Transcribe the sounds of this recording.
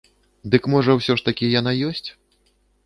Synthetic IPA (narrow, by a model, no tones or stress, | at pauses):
d̪ɨkmɔʐɐwsʲɔʂt̪ɐkʲijanajɔsʲt͡sʲ